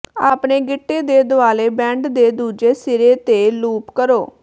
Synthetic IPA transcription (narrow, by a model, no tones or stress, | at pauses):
aːpɳeːɡɪʈːeːd̪eːd̪ʊaːleːbɛ̃ːɳɖd̪eːd̪uːd͡ʒeːsɪɾeːt̪eːluːpkəɾoː